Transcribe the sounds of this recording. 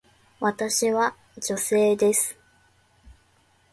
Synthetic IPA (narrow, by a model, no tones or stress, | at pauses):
βat̪aɕiβa | d͡ʑo̞se̞ːd̪e̞sɨ̥